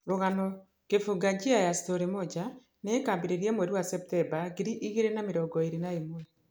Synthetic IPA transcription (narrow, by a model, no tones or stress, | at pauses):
ɾoɣanɔ | kefuɡaɲd͡ʒiajasi̥toɾemɔd͡ʒa | nekaːmbeɾeɾiɛmwɛɾiwasɛp̚tɛmbaɡiɾiʔiɣeɾenameɾɔɡɔeɾinaemoɛ